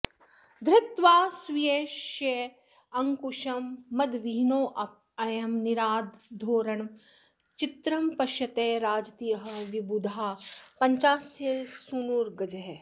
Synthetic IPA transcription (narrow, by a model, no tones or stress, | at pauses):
d̪ɾɪt̪ʋaːsʋijeːʃje | ɐŋkuʃɐmːɐd̪ʋiɦnoːʔɐ | ɐjɐmniɾaːd̪d̪ʱoːɾɐɳ | t͡ʃit̪ɾɐmpɐʃjɐt̪eːɾaːd͡ʒɐt̪ijɐɦɐ̆ʋibud̪ʱaːpɐɲt͡ʃaːsjɐsunuːɾɡɐd͡ʒɐɦ